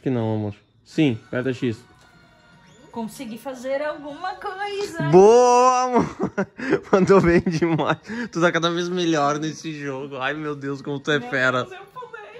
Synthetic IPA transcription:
aʃʊkɪnɐ̃w̃amoɾ | sĩpɛɾt̪ɐʃis | kõsiɡifazeɾawɡũmɐkojzɐboɐmo | kɐ̃nd̪ʊewvẽj̃d͡ʒɪmajst̪ut̪akad̪ɐvezmeʎɔɾnesɪʒoɡʊajmewd̪ewskõmʊt̪uɛfɛɾɐ

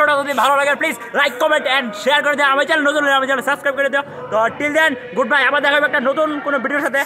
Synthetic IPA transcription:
oʈat̪od̪ʱibʱalolaɡepliːz | lajkːɔmeɳʈɛnʃejaɾkɔɾid̪ijɔ̃amat͡ɕalenot̪unleamet͡ʃalesɐbskɾajb̚kɔɾid̪ijɔ | t̪ɔʈild̪ɛn | ɡuɖ̚bajabad̪ɛkʰabɛkʈanot̪unkonobiɖijoɾʃat̪e

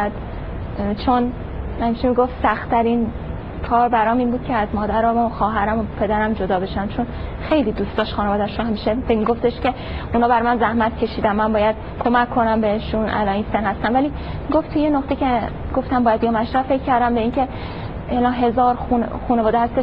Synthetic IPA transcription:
d̪ | t͡ʃʰon | hæmiʃemiɡo̞ft̪sæxt̪ʰæɾin | kʰɒːɾbæɾɒːmiːnbuːd̪̥kcʰeæzmɒːd̪æɾɒmoxɒːɦæɾæmopʰe̞d̪æɾæmd͡ʒod̪ɒːbe̞ʃæmt͡ʃʰonxe̞jliːd̪uːst̪ɒːʃxuːneɒːd̪æʃoɦæmiʃeemiɡo̞ft̪e̞ʃce̞ | ʔunhɒːbæɾmænzæhmæt̪cʰe̞ʃiːd̪æmːænbɒːjæd̪̥ | kʰo̞mækʰːo̞næmbeeʃunʔæ̰lɒːninsenhæst̪ænvæli | miɡo̞ft̪ʰujenoχt̪ecʰe | ɡo̞ft̪æmbɒːjæd̪jɒmæʃɾæfe̞cʰːæɾd̪æmbe̞iːncʰe̞ | elɒːnɦe̞zɒːɾxunxuːnevɒːd̪ehæst̪eʃ

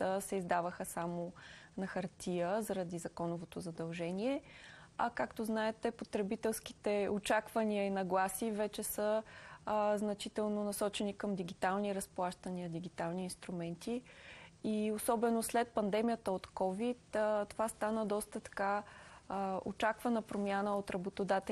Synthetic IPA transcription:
t̪əsɛizd̪avəxəsamonɐxɐɾt̪ʲʰijəzɐɾɐd̪izɐkɔnʊvot̪ozɐd̪ɐlˠʒɛniɛɐkakt̪oznaɛt̪ɛpot̪ɾɛbit̪ɛlˠski̥t̪ɛot͡ʃakvɐniəinɐɡlˠasivɛt͡ʃɛsə | znɐt͡ʃit̪ɛlˠnonɐsɔt͡ʃɛnikəmd̪iɡit̪alˠniɾɐsplˠaʃt̪əniəd̪iɡit̪alˠniːnst̪ɾumɛnt̪i | iosɔbɛnoslɛt̪̚pɐnd̪ɛmijət̪əot̪kɔvit̪t̪ovast̪anəd̪ɔst̪ət̪ɐ̥ka | o̰t͡ʃakvɐnəpɾomʲjanəot̪ɾɐbot̪od̪at̪ɛ

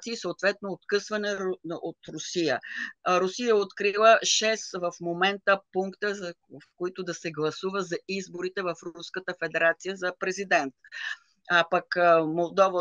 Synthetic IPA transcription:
t̪siːsoːt̪vɛt̪̚noːt̪kɤsvɐnɛot̪ɾʊsijə̰ɾʊsijəɛot̪kɾilˠəʃɛsvɐfmomɛnt̪əpuŋkt̪ə | fkoit̪ʊd̪ɐsɛɡlˠɐsuvəzɐizboɾit̪ɛvɐfɾuskət̪əfɛd̪ɛɾat̪sijəzɐpɾɛzid̪ɛnt̪̚ | apɐkmolˠd̪ɔvə

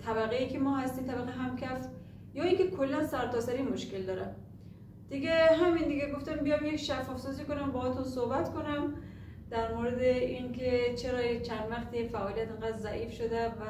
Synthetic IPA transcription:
t̪ʰæbæɣejikʰemɒːɦæst̪iːmt̪ʰæbæɣeɦæmkʰæf | jɒːiːŋkʲʰe̞kʰolːænsæɾt̪ʰɒːsæɾinmoʃkeld̪ɒːɾæ̰m | d̪̥iɡæɦæmind̪iɡʲæɡo̞ft̪æmbijɒmjekʃæfːɒːfsɔziːkonæmbɒːɒt̪unsohbæt̪kʰonæm | d̪æɾmoːɾed̪eiŋkʰet͡ʃʰeɾɒːt͡ʃʰænd̪væqt̪ʰijfæʔɒːlijæt̪eŋɡæd̪ɾzæʔiːfʃod̪ævæ

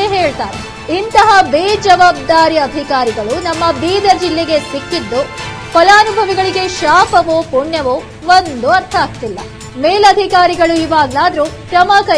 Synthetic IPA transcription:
eɦeːɭt̪aːɾe | int̪ɐɦɐbeːd͡ʒɐʋaːb̚d̪aːɾiɐd̪ʱikaːɾiɡɐɭunɐmːɐbiːd̪ɐd͡ʒilːeɡe̞sikːid̪ːu | pɐlaːnubʱɐʋiɡɐɭiɡe̞ʃaːpɐʋoːpuɳjɐʋoː | ʋond̪uɐɾt̪ʰɐaːkt̪ilːɐ̰ | meːlɐd̪ʱikaːɾiɡɐɭuiʋaːɡlaːd̪ɐɾukɾɐmɐkɐ

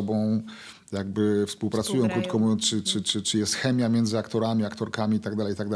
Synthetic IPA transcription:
ɔbɔ̃w̃ | jaɡ̚bɘfspuwpɾat̪sujɔ̃w̃kɾut̪kɔmut͡ʂɘt͡ʂɘt͡ʂɘt͡ʂɘjɛst̪xɛmʲjamʲjɛnd̪zɘakt̪ɔɾamʲiakt̪ɔɾkamʲiit̪aɡd̪alɛjit̪aɡd̪a

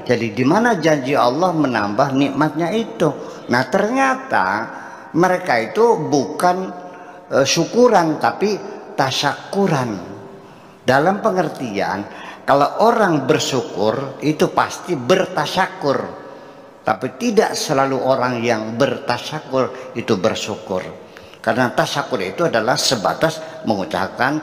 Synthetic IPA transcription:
d͡ʒadidimanad͡ʒaɲd͡ʒiɑ̰lːɔhməna̰mbahniʔmat̪̚ɲait̪unaht̪ərɲat̪a̰ | məɾekait̪ubukan | əsukuɾant̪apit̪asakuɾan | dalampəŋərt̪ia̰nkalawʔoɾaŋbərsukʊrit̪upast̪ibərt̪aʃakʊr | t̪a̰pit̪idaʔsəlaluʔoɾaŋjaŋbərt̪aʃakʊrit̪ubərsukʊ̰r | karənat̪aʃakuɾanit̪uadalahsəba̰t̪asməŋut͡ʃa̰kan

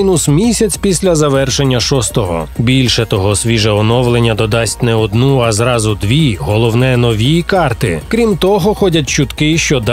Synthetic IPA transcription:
inʊsmʲisʲɐt͡sʲpʲisʲlʲɐzɐʋɛrʃe̞nʲːɐʃɔst̪ɔɦɔ̰bʲilʲʃɛt̪ɔɦɔsʋʲiʒɛɔnɔʋlˠenʲːɐd̪ɔd̪ɑsʲtʲnɛɔd̪nuɐzɾɑzʊd̪ʋʲiɦɔlˠɔwnɛnɔʋʲijkɑrt̪ɪkɾʲimt̪ɔɦɔxɔdʲɐt̚ʲt͡ʃʊt̪kɪʃt͡ʃɔd̪

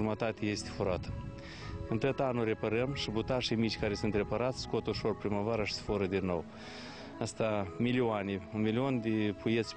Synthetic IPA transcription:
umət̪at̪eje̞st̪e̥fuɾat̪ə̥ | ɨnt̪ət̪anuɾe̞pəɾəmʃibut̪aʃejmit͡ʃʲkaɾe̞sunt̪re̞paɾat̪sʲsko̞t̪uʃo̞rpɾimavaɾəʃi̥sfoɾəd̪inːo̞̰w | ast̪amilioaneunmilio̞nd̪epujet̪sʲ

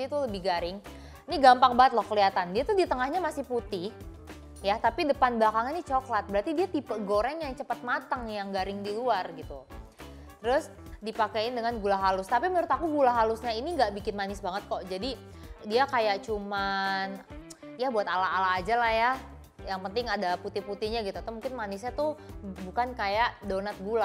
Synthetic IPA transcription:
it̪uləbɪhɡaɾɪŋ | iniɡampaŋbaŋət̪̚lɔhkəliat̪andiat̪udit̪əŋahɲamasɪhput̪ɪh | jat̪apidəpanblakaŋinit͡ʃoklat̪̚bəɾart̪idiat̪ipəɡoɾɛŋjaŋt͡ʃəpət̪̚mat̪əŋjaŋɡaɾɪŋdiluarɡit̪u | t̪əɾʊs | dipakaɪndəŋanɡulaɦalʊst̪apimənɾʊt̪akuɡulaɦalʊsɲainiŋɡaʔbikɪnmanɪsbaŋət̪̚kɔʔd͡ʒadi | diakajaʔt͡ʃuman | ijabuat̪alaɦalaːd͡ʒalahja | jaŋpənt̪ɪŋadaput̪ɪhput̪ɪhɲaɡit̪ut̪amuŋkɪnmanɪsɲat̪ubukankajaʔdonat̪̚ɡula

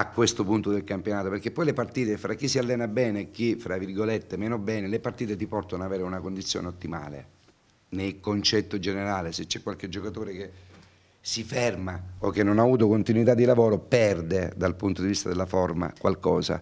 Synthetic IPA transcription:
akːwest̪opunt̪od̪elkampjonaːt̪opeɾk̟epːɔjlepart̪iːt̪efɾakːisːialːɛːnabɛːnekːifɾavːirɡolet̪ːemɛːnobɛːnelepart̪iːt̪et̪̬ipɔrt̪onoaveːɾeunakond̪it̪sːjo̰ːneot̪ːima̰ːlḛ | nejkont͡ʃɛt̪ːod͡ʒeneɾaːleset͡ʃːɛkːwalked͡ʒːokat̪oːɾek̟e | sifɛrmaokːenːonaːvuːt̪okont̪inwit̪ad̪ːilavoːɾopɛrd̪ed̪alpunt̪od̪ivist̪ad̪elːaforma̰kwa̰lkɔːza̰

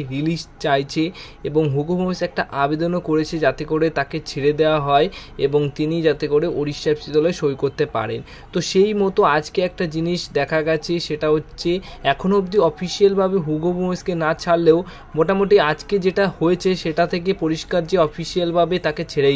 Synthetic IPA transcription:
ɾiliʃt͡ɕajt͡ɕʰe | eboŋɦuɡobʱomesɛk̚ʈaʔabed̪onokoɾet͡ɕʰed͡ʑat̪ekoɽet̪aket͡ɕʰeɾed̪eoaɦɔeḛboŋt̪inid͡ʑat̪ekoɽeʔoɾiʃːabʃid̪ɔlɔeʃojkoɾt̪epa̰ɾḛn | t̪oʃejmɔt̪oad͡ʑkeɛk̚ʈad͡ʑiniʃd̪ɛkʰaɡɛt͡ɕʰeʃeʈaɦotːɕʰeɛkʰonoubd̪iɔfʰiʃielbʱabeɦuɡʱobʱoeskenat͡ɕʰalːeo | moʈamoʈiad͡ʑked͡ʑeʈahoet͡ɕʰeʃeʈat̪ʰek̬epoɾiʃkaɾd͡ʑeɔfʰiʃialbʱabet̪aket͡ɕʰeɾe

